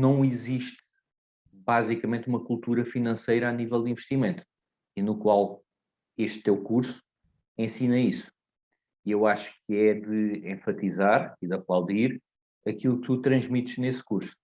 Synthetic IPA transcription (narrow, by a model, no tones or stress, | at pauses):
nɐ̃w̃iziʃt̪ | bazikɐmẽnt̪umɐkulˠt̪uɾɐfinɐ̃sɐjɾɐanivɛlˠd̪ĩvʃt̪imẽnt̪u̥ | inukwalˠ | eʃt̪ːewkuɾsu̥ | ẽsinɐisu̥ | iewaʃu̥kɛðɨẽfɐt̪izaɾiðɐplˠawðiɾ | ɐkilˠuk̚t̪ut̪ɾɐ̃ʒmit̪ʒ̥neskuɾsu̥